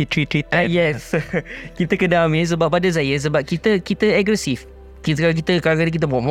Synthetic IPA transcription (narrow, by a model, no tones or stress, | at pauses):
itɾitɾiajɛskit̪əkədamis̬əbap̚adas̬ajəs̬əbap̚kit̪əkit̪əɛɡɾɛsif | kit̪kaak̬it̪əkalakanək̬it̪̬əbɔmɔ̃